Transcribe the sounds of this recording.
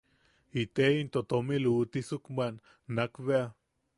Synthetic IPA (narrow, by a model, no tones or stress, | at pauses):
it̪eint̪ot̪omilut̪isukmanː | akβea